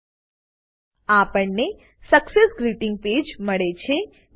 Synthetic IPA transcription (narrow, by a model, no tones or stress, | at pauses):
apəɳne | səksesɡɾiʈɪ̃ŋɡ̚ped͡ʒməɭet͡ʃʰe